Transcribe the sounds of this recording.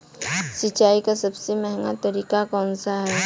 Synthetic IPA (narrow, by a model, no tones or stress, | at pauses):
sɪt͡ʃaːikasɐbsemɛɦŋɡa̰t̪ɐɾiːkakɔːnsaɦɛː